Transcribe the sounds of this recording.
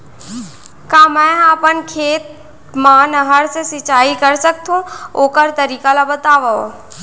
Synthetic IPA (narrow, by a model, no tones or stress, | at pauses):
kaːmɛ̃aːpənkʰeːt̪̚ | maːnəɦəɾsesɪt͡ʃaːikəɾsək̚t̪ɦũoːkəɾt̪əɾiːkalabət̪aːʋao